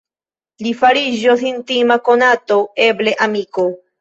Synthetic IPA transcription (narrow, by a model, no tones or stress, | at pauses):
lifaɾiʒosint̪imakonat̪o̞e̞ble̞ʔamiko